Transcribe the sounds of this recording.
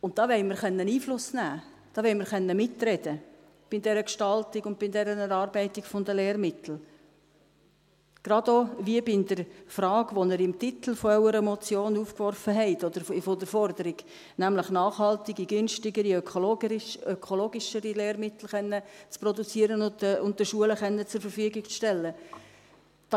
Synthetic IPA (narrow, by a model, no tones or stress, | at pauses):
ʊntt̪ːɑːʋɛɪməɾχœnːəniːflʊsnæː | d̥ɑːʋɛɪməɾχœnːəmɪt̪ːɾɛd̥̪ə | b̥ɪdɛɾəkʃtɑltɪɡʊnd̚b̥ɪndɛɾənɛɾɑːɾbɛɪtɪkfʊnd̪əleːɾmɪt̪l̩ | ɡ̥ɾɑd̪oʋiəbɪnd̥̪əɾfɾɑːɡʋɔnəɾɪmt̪ɪt̪l̩ˠfɔœwəɾəmɔt͡sjoːnuːfkʋɔrfəɦɛɪt̪ɔd̥̪əɾfod̪əɾfɔɾdəɾɪɡ̥ | næmləχnɑːχhɑlt̪ɪɡiɡʏnʃtɪɡəɾiœkolœkʰɔloːɡɪʃəɾileːɾmɪt̪l̩ˠχɛnːət͡spɾɔdut͡siəɾənʊʊntdəʃuələχɛnːət͡sʊɾfəɾfyəɡɪkt͡sʃtɛlːə | d̥